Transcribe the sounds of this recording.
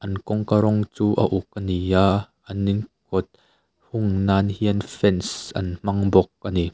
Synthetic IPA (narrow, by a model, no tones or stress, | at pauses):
ʔɐnkɔŋkaɾɔŋt͡suːʔɐ̰ʔuk̚ːɐnijaː | ɐnːinkɔt̪̚ | hʊŋnaːnhiənfɛnsʔɐ̰nm̥ɐŋbɔk̚ʔani